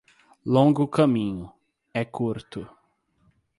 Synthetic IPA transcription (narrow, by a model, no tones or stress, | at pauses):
lõɡʊkɐmĩɲʊ | ɛkʰuɾt̪ʊ